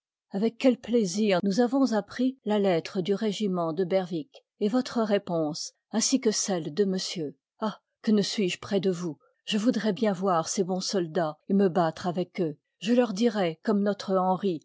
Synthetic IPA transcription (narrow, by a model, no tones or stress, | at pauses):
avɛkʲːɛlpleziʁnuzavɔ̃zapχilalɛt̪χəd̪yʁeʒimɑ̃d̪əbɛʁvik | evɔt̪χəʁepɔ̃s | ɛ̃sikəsɛld̪əməsjø | a | kənəsɥiʒpχɛd̪əvu | ʒ̥əvud̪ʁɛbjɛ̃vwaʁsebɔ̃sɔld̪aeməbat̪χavɛkø | ʒəlœʁd̪iʁɛkɔmnɔt̪χəɑ̃ʁi